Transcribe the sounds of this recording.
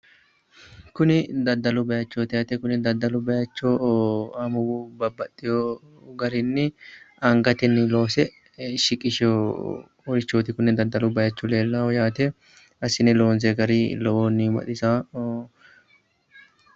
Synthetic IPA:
kʊnɪd̪ɐd̪ːɐlʊbɐjɐt͡ʃːoːt̪ɪjaːt̪ɛkʊnɪd̪ɐd̪ːɐlʊbɐjɐt͡ʃːoːɐmʊwubɐbːɐt̪ʼːɪjo | ɡɐɾɪnːɪɐŋɡɐt̪ɛnːɪloːsɛ | ʃɪkʼɪʃo | ɔɾɪt͡ʃːoːt̪ɪkʊnːɪd̪ɐd̪ːɐlʊbɐjɐt͡ʃːʊleːlːɐɔjaːt̪ɛ | ɐsɪnɛloːnzɛɡɐɾilɔʔoːnːɪbɐ̰ᶑ̪ɪsaː

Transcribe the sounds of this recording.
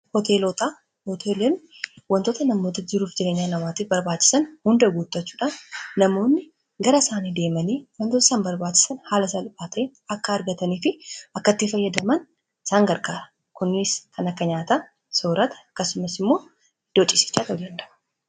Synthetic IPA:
hɔt̪ʰelot̪a | hɔt̪ʰeːlɛn | wɐnt̪o̞ːt̪ɐnɐmːoːt̪ɐd͡ʒɪɾuːfd͡ʒɪɾe̞ːɲːaːnɐmaːt̪iːfbɐɾbaːt͡ʃːɪ̥sɐnhʊnd̪ɐɡuːt̪ːɐt͡ʃːuːᶑaːnːɐmo̞ːnːɪ | ɡɐɾɐsaːniːd̪e̞ːmɐniːwɐnt̪ot̪ɐ̥saːmbɐɾbaːt͡ʃːɪ̥sɐnhaːlɐsɐlbaːt̪ɐnɐkːɐːɾɡɐt̪ɐniːfɪɐkːɐt̪ːɪfɐjːɐd̪ɐmɐn | ɪsaːŋɡɐɾkʼaːɾɐ | kʊnːɪskʰɐnɐkːɐɲaːt̪a | soːɾɐt̪ɐ̥ɐkːɐsʊmɐsɪmːo̞ː | d̪̥ot͡ʃʼɪsɪ̥t͡ʃːaːt̪ɐlɐnd̪ɐʔɐ

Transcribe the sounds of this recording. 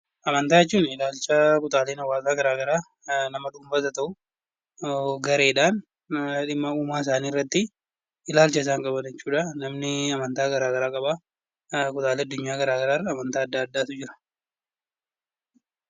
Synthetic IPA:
ʔɐmɐnt̪aːjɛt͡ʃːuːnɪlaːlt͡ʃɐkʊt̪ʼaːleːnɐwːaːzaːɡɐɾaːɡɐɾaː | nɐmɐᶑuːmbɐs̬ɐt̪ɐʔʊ | ɡɐɾeːᶑaːn | ᶑɪmːɐuːmaːɪs̬aːniːɪrːɐt̪ːɪ | ɪlaːlt͡ʃɐɪs̬aːŋkʼɐbɐnɛt͡ʃːuːᶑanɐmnɪɐmɐnt̪aːɡɐɾaːɡɐɾaːkʼɐbaː | kʊt̪ʼaːleːɐd̪ːʊɲːaːɡɐɾaːɡɐɾaːrːɐɐmɐnt̪aːɐd̪ːaːɐd̪ːaːt̪ʊd͡ʒɪɾɐ̥

